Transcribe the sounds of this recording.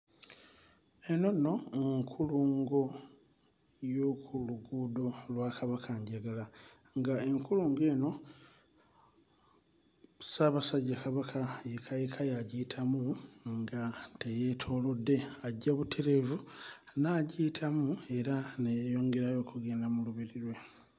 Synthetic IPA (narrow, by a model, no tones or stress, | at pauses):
eno̞no̞ŋkʰuluːŋɡo̞ | jo̞kʰuluɡudolwakaβakʰaɲɟaɡala | ŋɡaeŋkuluːŋɡe̞ːno̞ | saβasaɟːakaβakʰajekʰajikʰajaɟitʰamuŋɡatejetʰo̞ːlodːe̞aɟːaβutʰe̞ɾe̞vunaɟitʰamue̞ɾanejejo̞ːŋɡe̞ɾajo̞ːkuɡeːnamuluβiɾiɾwe̞